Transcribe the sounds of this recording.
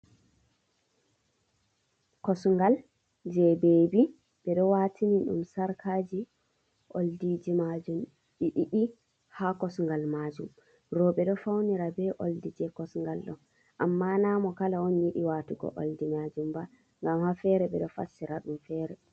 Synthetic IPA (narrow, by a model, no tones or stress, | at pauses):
kɔsŋɡal | d͡ʒɛbebi | ɓɛɗɔwatʰiniɗṵmsaɾkʰaːd͡ʒi | ʔo̰ldid͡ʒimad͡ʒum | ɗiɗiɗi | hakɔsŋɡalmad͡ʒum | ɾɔɓɛɗɔfawniɾabɛʔoldid͡ʒɛkɔsŋɡalɗɔn | ʔamːanamɔkalaonjiɗiwaːtuɡɔ̰ʔo̰ldimad͡ʒumba | ŋɡamhafɛɾɛbɛɗɔfa̰sːiɾaɗumfɛːɾɛ